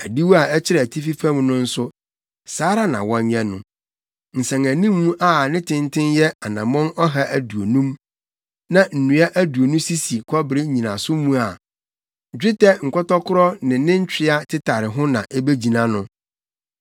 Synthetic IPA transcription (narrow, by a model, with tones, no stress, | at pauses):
æ˨di˦wu˦a˨ɛ˦t͡ɕʰɪ˦ɾɛ˨tʰi˦fi˦fã˦mnʊ̃˦n̩˦sʊ˦ | saː˨˦ɾa˦nã̰˨wɔ̃˦ɲ˦ɲɛ̃˦nʊ̰̃˨ | n̩˨sɛ̃˨ŋæ̃˨nĩ˦mːũ˦ʔa˦nɪ̃˦tʰɪ̃˦n˦tʰɪ̃˦njɛ˦a˨nã˨mɔ̃˦nɔ˦ɦa˦ʔæ˨du˨o˨nũ˦m | nã˦˨n̩˨nũ˨a˦ʔæ˦du˨o˨nũ˦si˦si˨kʰɔ˦bɪ˨ɾɪ˦ɲĩ˨nã˨sʊ˦mũ˦a˨ | d͡ʑᶣɪ˦tʰɛ˦ŋ̩˨kʰɔ˦tɔ˦kʰʊ˦ɾɔ˦nɪ̃˨nɪ̃˦ɲ̩˦t͡ɕᶣɪ˦a˦tʰɪ˦tʰa˨ɾɪ˨ɦʊ̃˦nã̰˨ʔɛ˦be˦d͡ʑi˨nã˦nʊ̃˦